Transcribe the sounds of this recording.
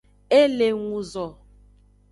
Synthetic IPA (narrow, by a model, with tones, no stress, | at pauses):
e˦le˨ŋũ˨zɔ˨